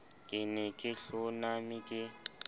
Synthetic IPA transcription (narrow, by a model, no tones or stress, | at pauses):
kʼɪnɪkʼɪɬʊnamikʼɪ